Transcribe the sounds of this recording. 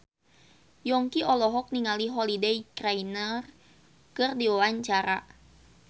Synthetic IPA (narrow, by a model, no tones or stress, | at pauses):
jɔŋkiʔɔlɔɦɔk̚niŋaliɦɔlidejkrainər | kɨrdiwawaɲt͡ʃaɾa̰